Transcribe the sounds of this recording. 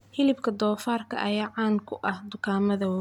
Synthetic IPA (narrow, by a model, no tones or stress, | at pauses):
hɪlɪbkʰɐd̪ɔːfaːrkʰɐ̰ʔɐjaːʕɑːnkʰʊʔɐhd̪ʊkʰaːmɐðɐ